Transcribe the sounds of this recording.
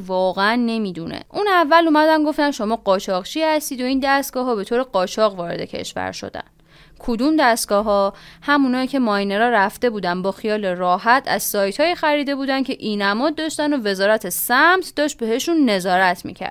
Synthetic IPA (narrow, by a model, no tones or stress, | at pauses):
vɒːɣeænːe̞miːd̪unḛʔuːnævːælumæd̪ænɡo̞ft̪ænʃo̞mɒːɢɒːt͡ʃʰɒɣt͡ʃʰiːhæst̪iːd̪o̞iːnd̪æst̪ɡ̥ɒːɦɒːbe̞t̪ʰoːɾeɢɒːt͡ʃʰɒɣvɒːɾe̞̰d̪e̞̰cʰe̞̰ʃvæ̰ɾʃo̰d̪æ̰n | kʰod̪umd̪æst̪̚ɡɒːɦɒhæmunɒːiːcʰe̞mɒjneɾɒːɾæft̪e̞buːd̪ænd̪bɒːxijɒːle̞rɒːɦæt̪ʰæ̰z̥sɒːjt̪ʰhɒːjixæɾiːd̪e̞buːd̪æncʰe̞ʔiːnæmɒːd̪ːɒːʃt̪ænove̞zɒːɾæt̪ʰesæmt̪ʰd̪ɒːʃt̪̚be̞ɦe̞ʃunːe̞zɒːɾæt̪ʰmḭːcʰæ̰ɾd̥̪